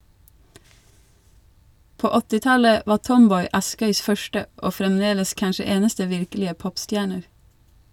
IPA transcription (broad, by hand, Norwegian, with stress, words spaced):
ˈpoː ˈɔtɪ ˈtɑlə ˈʋɑː ˈtɔmˌbɔʏ ˈɑskœʏs ˈfœʃtə ˈoː fɾɛmˈdeːləs ˈkɑnʃə ˈeːnəstə ˈʋɪɾklɪə ˈpɔpˌstjæːɳəɾ